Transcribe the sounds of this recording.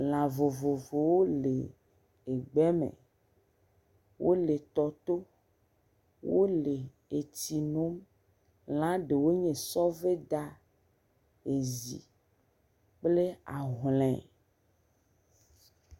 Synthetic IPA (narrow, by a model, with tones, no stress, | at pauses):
l̃ã˨vo˨vo˨vo˨wo˦le˨ | e˨ɡ͡bɛ˦mḛ̃˨ | wʔo̰˦le˨t̪ɔ˨t̪o˦ | wo˦le˨ | e˨t͡ɕi˨no˦m | lã˦ɖe˨wo˦ɲẽ˨sɔ˦ve˦d̪a˦ | e˨zḭ˨ | k͡ple˦a˨ɦlɛ̃˨